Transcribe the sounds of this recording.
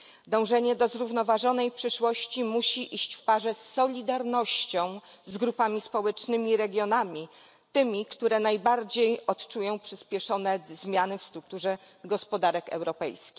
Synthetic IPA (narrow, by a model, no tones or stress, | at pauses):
d̪ɔ̃w̃ʐɛɲɛd̪ɔzɾuvnɔvaʐɔnɛjpʂɘʂwɔɕt͡ɕimuɕiʔiɕt͡ɕfpaʐɛsːɔlʲid̪aɾnɔɕt͡ɕɔ̃w̃ | zɡɾupamʲispɔwɛt͡ʂnɘmʲiɾɛɡʲjɔnamʲi | t̪ɘmʲikt̪uɾɛnajbaɾd͡ʑejɔtt͡ʂujɔ̃w̃pʂɘspʲjɛʂɔnɛzmʲjanɘfst̪ɾuk̚t̪uʐɛ | ɡɔspɔd̪aɾɛkɛ̰wɾɔpɛ̰jskʲi̥x